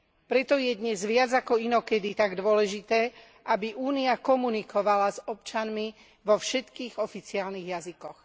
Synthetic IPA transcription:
pɾɛt̪ɔjɛd̪ɲɛzʋɪad͡zakɔinɔkɛd̪it̪aɡd̪ʊɔlɛʒit̪ɛː | abiʔuːniakɔmunikɔʋalazɔpt͡ʃanmi | ʋɔfʃɛt̪kiːɣɔfit͡siaːlniɣjazikɔx

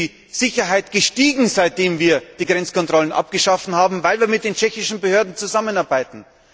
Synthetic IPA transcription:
z̥ɪçɐɦaɪtɡ̥əʃtiːɡŋ̩zaɪt̚d̥eːmviːɐd̥iːɡʁɛnt͡skʰɔntʁ̥ɔlənʔa̰p̚ɡ̥əʃafn̩haːbm̩vaɪlviːɐmɪt̚d̥eːnt͡ʃɛçɪʃn̩bəhøːɐdn̩t͡suzamənaɐbaɪtn̩

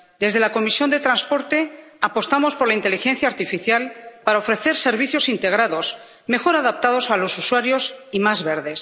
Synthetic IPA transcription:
d̪e̞zðe̞lako̞misjo̞nd̪e̞t̪ɾanspo̞ɾt̪e̞ | apo̞st̪amo̞spo̞ɾlaint̪e̞lixe̞nθjaːɾt̪ifiθjalpaɾaofɾe̞θe̞ɾse̞ɾβ̞iθjo̞sint̪e̞ɣ̞ɾaðo̞s | me̞xo̞ɾaðap̚t̪að̞o̞salo̞suswaɾjo̞simazβe̞ɾðe̞s

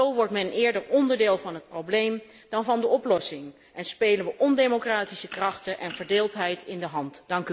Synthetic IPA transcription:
owʋɔɹtmɛnʔɪːɹdəɹɔndəɹdɪːlˠvɑnɦət̚prowblejm | dɑnvɑndəɔplɔsɪŋ | ʔɛnspejlənʋəʔɔndejmokraːtisəkrɑχtəʔɛnvəɹdɪːlˠtɦɛjtɪndəɦɑntd̥ɑŋk

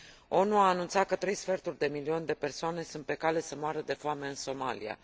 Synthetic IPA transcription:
o̞nuaːnunt̪sat̪̚kət̪ɾe̞jsfert̪urʲd̪e̞milio̞nd̪e̞pe̞rsoane̞sunt̪̚pe̞kale̞səmoaɾəd̪e̞foame̞ɨnso̞ma̰lḭa̰

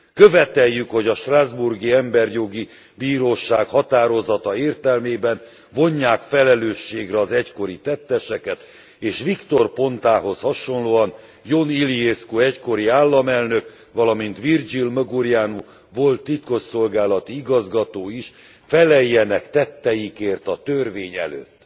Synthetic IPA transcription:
køvɛt̪ɛjːykho̞ɟɒʃt̪razburɡiɛmbɛrjo̞ɡi | biːɾoːʃaːkhɒt̪aːɾo̞zɒt̪ɒeːrt̪ɛlmeːbɛn | vo̞ɲːaːkfɛlɛløːʃːeːɡrɛɒzɛcko̞ɾit̪ɛt̪ːɛʃɛkɛt̪ | eːʃʋikt̪o̞rpo̞nt̪aːɦo̞shɒʃo̞nloːɒn | jo̞nilieskuɛcko̞ɾiaːlːɒmɛlnøk | ʋɒlɒmint̪ʋird͡ʒilmøɡuɾijaːnu | vo̞lt̪ːit̪ko̞ʃso̞lɡaːlɒt̪iiɡɒzɡɒt̪oːiʃ | fɛlɛjːɛnɛkt̪ɛt̪ːɛjikeːrt̪ɒt̪ørʋeːɲɛ̰lø̰ːt̪ː

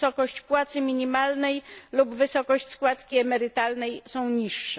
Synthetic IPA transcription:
sɔkɔɕt͡ɕpwat̪sɘmʲiɲimalnɛjlubvɘsɔkɔɕt͡ɕskwat̪kʲiɛmɛɾɘt̪alnɛjsɔ̃w̃ɲiʂːɛ

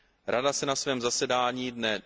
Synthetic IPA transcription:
ɾʔadasɛnasvɛːmzasɛdaːɲiːdnɛ

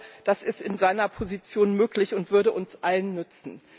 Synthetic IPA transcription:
d̥asɪstɪnzaɪnɐpʰozit͡sjoːnmøːklɪçʊntv̥ʏɐɾəʔʊnsʔalənːʏt͡sn̩

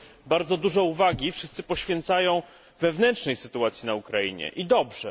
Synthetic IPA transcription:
baɾd̪zɔd̪uʐɛuvaɡʲifʂɘst̪sɘ̥pɔɕfʲjɛnt̪sajɔ̃w̃ | vɛvnɛntʂnɛjsɘt̪uat̪sʲjinaukɾaḭɲɛ̰ʔid̪ɔbʐɛ

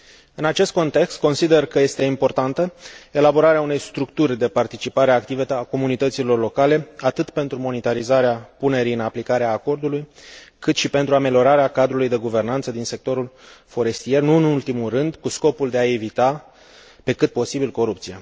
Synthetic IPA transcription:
ɨnat͡ʃe̞st̪ko̞nt̪e̞kst̪̚ko̞nsid̪e̞rkəje̞st̪e̞impo̞rt̪ant̪əe̞labo̞ɾaɾeaune̞jst̪ɾukt̪urʲd̪e̞part̪it͡ʃipaɾeak̚t̪ive̞ako̞munit̪ət̪silo̞rlo̞kale̞at̪ɨt̪pe̞nt̪ɾumo̞nit̪aɾizaɾeapune̞ɾijɨnaplikaɾeaːko̞rd̪ulujkɨt̪ʃipe̞nt̪ɾuame̞lʲjo̞ɾaɾeakad̪ɾulujd̪e̞ɡuve̞rnant̪səd̪inse̞k̚t̪o̞ɾulfo̞ɾe̞st̪ije̞rnuɨnult̪imulrɨnd̪kusko̞puld̪e̞ae̞vit̪a | pe̞kɨt̪̚po̞sibilko̞ɾup̚t̪sija

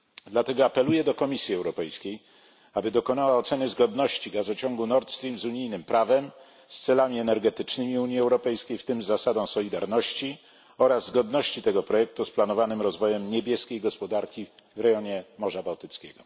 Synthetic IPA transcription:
d̪lat̪ɛɡɔapɛlujɛd̪ɔkɔmʲisʲjiɛwɾɔpɛjskʲej | abɘd̪ɔkɔnawaɔt̪sɛnɘzɡɔd̪nɔɕt͡ɕiɡazɔt͡ɕɔŋɡunɔɾt̪st̪ɾʲimzuɲijnɘmpɾavɛm | st̪sɛlamʲiɛnɛɾɡɛt̪ɘt͡ʂnɘmʲiuɲiɛwɾɔpɛjskʲejft̪ɘmzasad̪ɔ̃w̃sɔlʲid̪aɾnɔɕt͡ɕi | ɔɾazːɡɔd̪nɔɕt͡ɕit̪ɛɡɔpɾɔjɛk̚t̪usplanɔvanɘmɾɔzvɔjɛmɲebʲjɛskʲejɡɔspɔd̪aɾkʲivɾɛjɔɲɛmɔʐabawt̪ɘt̪skʲɛ̰ɡɔ

